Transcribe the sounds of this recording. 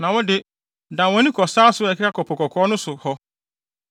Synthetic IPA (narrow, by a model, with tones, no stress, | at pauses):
nã˨wɔ˦dɪ˦ | dã˨wɔ̃˨˦nĩ˦kʰɔ˨saː˦sʊ˦ɛ˨kʰɪ˦ɾa˦kʰɔ˨pʰɔ˨kʰɔ˨kʰɔ˨˦nʊ̃˦sʊ˨hɔ˦